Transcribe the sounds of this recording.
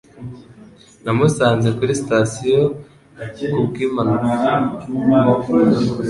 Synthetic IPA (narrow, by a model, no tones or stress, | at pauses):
namusaːnze̞kuɾistasijo | kubɡiːmanuka